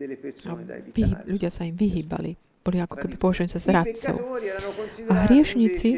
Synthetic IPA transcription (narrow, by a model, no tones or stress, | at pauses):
aʋiɦiːʎuɟɪasaimʋiɦiːba̰li | b̥ɔliakɔ̥kɛbipɔʋaʒuɛnizazɾat̪t͡sɔ̰ʊ | aɦɾɪɛʃɲit͡si